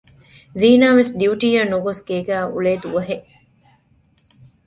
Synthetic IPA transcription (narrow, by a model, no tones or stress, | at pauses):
ziːnaːʋesɖiuʈiːɐnuɡosɡeːɡæːṵleːd̪uʋɐɦeʔ